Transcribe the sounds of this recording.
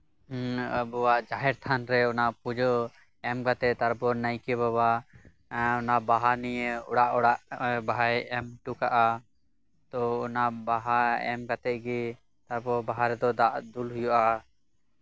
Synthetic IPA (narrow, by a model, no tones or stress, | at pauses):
əbɔwaʔd͡ʒaɦɛɾt̪ʰanɾɛɔnapud͡ʒɔ | ɛmkat̪ɛt̪aɾbɔnəjkɛbaba | ɔnabaɦanijəɔ̰ɽaʔɔɽaʔbaɦajɛmʈukaʔa | t̪ɔɔnabaɦaɛmkat̪ɛɡi | t̪aɾbɔbaɦaɾɛd̪ɔd̪aʔd̪ulɦujɔʔa